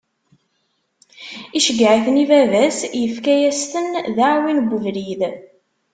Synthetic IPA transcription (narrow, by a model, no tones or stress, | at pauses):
iʃəɡːʕiθnivævæsjəfkæjæst̪ənðaʕwinɡʷəvɾið